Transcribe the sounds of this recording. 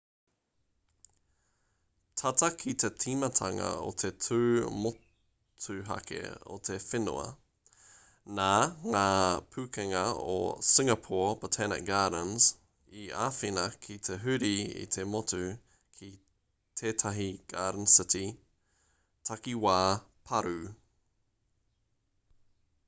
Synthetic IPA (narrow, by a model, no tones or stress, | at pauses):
t̪ʰɐtɐkʰit̪ʰetʰimɐtʰɐŋɐ̰o̰t̪ʰetʰʉːmo | tʰʉɦɐ̰kʰḛo̰t̪ʰefɪnṵɐ̰ | naːŋaːpʰʉːkɛŋɐo̰sɪŋɐpʰɔːpət̪ʰɛnɪ̰k̚ɡ̥aːɾənz̥ | iaːfinɐkʰit̪ʰeɦʉɾiḭt̪ʰemot̪ʉ | kʰi | t̪ʰeːt̪ʰɐɦiɡ̥aːdən̩sɪti | tʰɐkiwaː | pʰɐɾʉ